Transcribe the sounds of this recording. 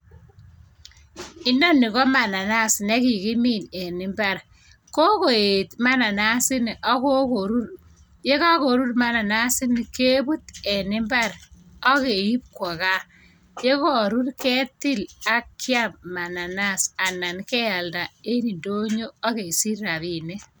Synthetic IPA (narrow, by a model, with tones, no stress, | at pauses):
i˦no˦nːi˨kɔ˦ma˨na˨na˦˨sne˦ki˨ki˦mi˦˨ne˨nɪ˦mba˦˨ɾ | ko˦ko˨e˨tma˦na˨na˦sɪ˦n˨ʔɔ˦ko˦ko˨ɾu˦ɾ | je˦ka˦ko˨ɾu˦ɾma˨na˨na˦sɪ˦ni˨ke˦bu˦te˨nɪ˦mba˦ɾ | ɔ˦ke˨ji˦p̚kwɔ˨ka˦ | je˦ko˦˨ɾu˦ɾkɛ˦ti˦la˦kːja˦mma˨na˨na˦sa˨na˨nkɛ˦ja˨lda˨e˦ni˨ndo˦ɲo˦ɔ˦ke˨si˦ɾa˨bi˨ne˦